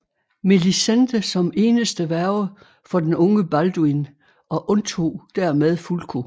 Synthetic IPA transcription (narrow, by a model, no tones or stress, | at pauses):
melisend̥əsɒ̽me̝ːnəsd̥əʋæɐʊə | fɒ̽d̥enɔ̽ŋəb̥æld̥uin | ʔɒ̽ʔɔ̽nt͡sʰo̝̰ːd̥æɐmeð̞ˠfulkʰo̝